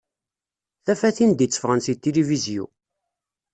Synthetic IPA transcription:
θæfæθind̪jət͡sːə̥fʁənsit̪ːilivizjṵ

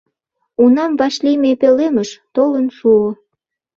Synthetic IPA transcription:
unɑmvɑʃlimepeleməʃt̪olənʃuo

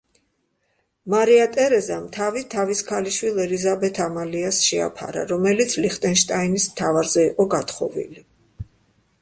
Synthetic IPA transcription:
maɾiat̪ʼɛɾɛzamt̪ʰavit̪ʰaviskʰaliʃwilˠɛlizabɛt̪ʰamaliasʃɛa̰pʰa̰ɾa̰ɾɔmɛlit̪sʰliχt̪ʼɛnʃt̪ʼainismt̪ʰavaɾzɛiqʼɔɡat̪χɔvḭli

